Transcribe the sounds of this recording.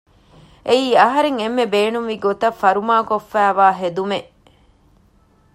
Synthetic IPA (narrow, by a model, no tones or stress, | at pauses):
ʔeiːɐɦɐɾeŋemːebeːnuŋʋiɡot̪ɐfːɐɾumaːkofːæːʋaːɦed̪umeʔ